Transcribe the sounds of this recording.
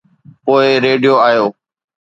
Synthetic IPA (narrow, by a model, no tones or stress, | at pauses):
poːɪɾeːɖijoːaːjoː